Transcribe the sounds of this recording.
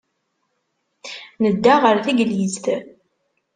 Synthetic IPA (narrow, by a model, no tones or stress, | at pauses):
nəd̪ːaʁəɾθiɡlizt̪